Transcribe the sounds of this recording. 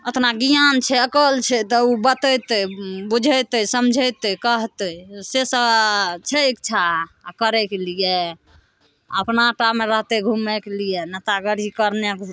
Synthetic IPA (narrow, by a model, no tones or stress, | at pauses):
ət̪naɡijant͡ʃʰɛəkəlt͡ʃʰɛt̪ɔubət̪əjt̪əbud͡ʒʱəjt̪əisəmd͡ʒʱəjt̪əkəɦt̪əisesət͡ʃʰɛekt͡ʃʰakəɾɛkelije | əpnaʈameɾəɦt̪eɡʱumɛkelijenət̪aɡəɾikəɾnek